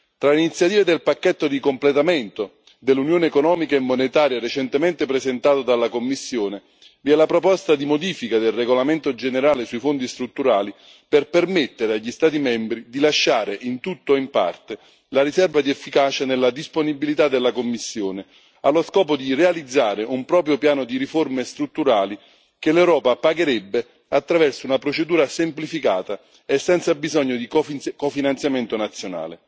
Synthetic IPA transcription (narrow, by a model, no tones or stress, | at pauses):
t̪ɾaleinit̪sːjat̪iːved̪elpakːɛt̪ːod̪ikomplet̪amɛnt̪o | d̪elːunjoːneːkonɔːmikaemːonet̪aːɾjaɾet͡ʃɛnt̪emɛnt̪epɾezɛnt̪aːt̪od̪alːakomːisːjoːne | viɛlapɾopɔst̪ad̪imod̪iːfikad̪elreɡolament̪od͡ʒeneɾaːlesuifond̪ist̪ɾut̪ːuɾaːli | perpermet̪ːeɾeaʎːist̪aːt̪̬imɛmbɾid̪ilaʃːaːɾeʔint̪ut̪ːoimpa̰rt̪e | laɾisɛrvad̪iɛfːikaːt͡ʃanelːad̪isponibilit̪ad̪ːelːakomːisːjoːnɪ | alːoskɔːpod̪irealid̪zːaːɾɪʔumpɾɔːpɾjopjaːnod̪iɾiformest̪ɾut̪ːuɾaːli | k̟elɛwɾɔːpapaɡeɾɛbːe | at̪ːɾavɛrsounapɾot͡ʃed̪uːɾasemplifikaːt̪a | esːɛnt̪sabizɔɲːod̪ikkofinant̪sjamɛnt̪onat̪sːjona̰ːlɪ̰